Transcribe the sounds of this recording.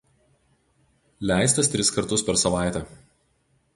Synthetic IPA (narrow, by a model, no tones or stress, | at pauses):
lʲæˑɪst̪ɐst̪ʲɾʲɪskɐɾt̪ʊspʲɛɾsɐʋɑˑɪt̪ʲɛˑ